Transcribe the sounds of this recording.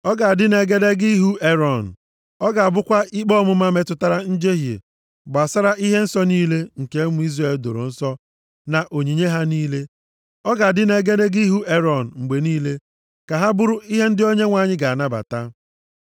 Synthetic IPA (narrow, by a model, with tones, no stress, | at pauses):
ɔ˦ɡa˨a˨dɪ˦ne˨ɡe˦de˦ɡi˦ɦu˦e˦ɾɔ˨n̩˨ | ɔ˦ɡa˨a˨bʊ˦kʷa˦i˦k͡pɔ˦mʊ˦ma˦me˦tʊ˦ta˦ɾa˦n̩˦d͡ʒe˦ɦjḛ˨ | ɡ͡ba˨sa˦ɾa˦ʔi˦ɦe˦n̩˦sɔ˦niː˦le˦ŋ̩˨ke˨˦mʊ˨˦i˦zɾa˨e˨ldo̰˨ɾo̰˨n̩˦sɔ˦ | na˨ʔo˨ɲi˨ɲe˦ɦa˦niː˦le˦ | ɔ˦ɡa˨a˨dɪ˦ne˦ɡe˦de˦ɡi˦i˦ɦu˦e˦ɾɔ˨n̩˨ŋ͡m̩˨ɡ͡be˨niː˦le˦ | ka˨ɦa˦bʊ˦ɾʊ˦i˦ɦe˦n̩˦dɪ˦o˦ɲe˦ŋʷa˦˨ɲɪ˦ɡa˨a˨na˦ba̰˨ta˦